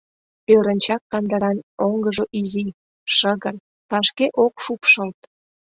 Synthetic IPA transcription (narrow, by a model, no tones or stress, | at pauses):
pøɾənʲt͡ɕɑkːɑnd̪əɾɑnoŋɡəʒoʔizi | ʃəɣər | pɑʃkeʔokʃupʃəlt̪